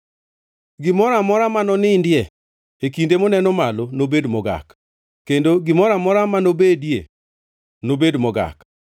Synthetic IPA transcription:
ɡɪmɔɾamɔɾamanɔnɪndɪɛ | ekindemɔnɛnɔmalonobedmɔɡa̰k | kːendoɡɪmɔɾamɔɾamanobedjḛ | nobedmɔɡa̰k

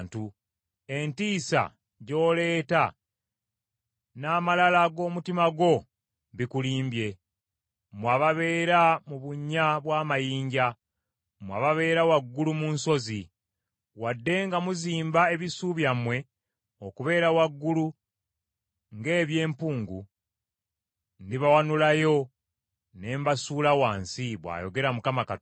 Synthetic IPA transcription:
ntu | e̞ntiːsa̰ | ɟo̞ːle̞ːta | naːmalalaɡo̞ːmutimaɡo̞ | βikuliːmbje̞ | mwaβaβe̞ːɾamuβuɲːaβwaːmajiːɲɟa | mwa̰ːβaβe̞ːɾawaɡːulumunso̞zi | wadːe̞ŋɡamuziːmbae̞βisuβjamwe̞ | okuβe̞ːɾawaɡːulu | ŋɡe̞ːβje̞ːmpuːŋɡṵ | ndiβawanulajo̞ | ne̞ːmbasuːlawaːnsiβwa̰ːjo̞̰ɡe̞ɾamukamaka

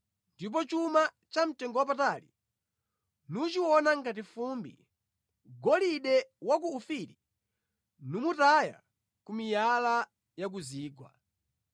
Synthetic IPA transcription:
ndip̬ɔt͡ʃuma | t͡ʃam̩tɛŋɡɔwapatalḭ | nut͡ʃiwɔnaŋɡat̬ifumbḭ | ɡɔliɗɛwak̬uːfiɾi | numutaja̰ | kumijala | jak̬uziːɡwa̰

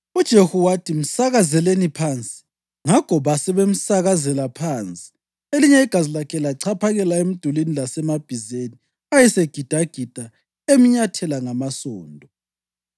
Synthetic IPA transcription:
ud̥ʒ̥ʱehuwatʰim̩saɣazɛlenipʰant͡sʼi̥ | ŋakʰɔβasɛβem̩saɣazɛlapʰaːnt͡sʼi̥ | eliɲɛiɡ̥ʱazilakʰɛlaǀʰapʰaɣɛlaem̩d̥ʱulenilasɛmab̥ʱizeni | ajɛseɡ̥ʱid̥ʱaɡ̥ʱid̥ʱa | emiɲatʰɛlaŋamasɔːndʱɔ

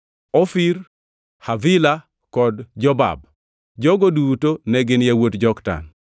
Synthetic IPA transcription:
ɔfiɾ | havɪla | kɔdd͡ʒɔba̰b | d͡ʒɔɡodutonɛɡɪnjawotd͡ʒɔkda̰n

